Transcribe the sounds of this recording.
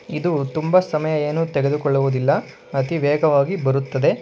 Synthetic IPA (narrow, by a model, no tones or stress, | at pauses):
id̪ut̪umbɐsɐmɐjɐeːnut̪ɛɡe̞d̪ukɔɭːuʋud̪ilːɐ | ɐt̪iʋɛːɡɐʋaːɡibɐɾut̪ːɐd̪e̞